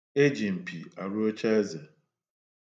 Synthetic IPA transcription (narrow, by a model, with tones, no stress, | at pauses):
e˦d͡ʒi˨m̩˨pi˨a˨ɾu˦o˦t͡ʃa˦e˦ze˨